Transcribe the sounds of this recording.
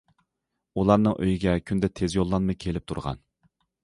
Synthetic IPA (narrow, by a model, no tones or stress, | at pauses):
ulˠɑɾnɨŋʔø̰jiɡʲɛkʲʰynd̪ɛt̪ʰezjolˠːɑnmɨkʲʰelɪp̚t̪ʰṵɾʁɑ̰n